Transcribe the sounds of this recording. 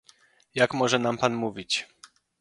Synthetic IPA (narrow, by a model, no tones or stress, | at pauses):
jakmɔʐɛnampanmuvʲit͡ɕ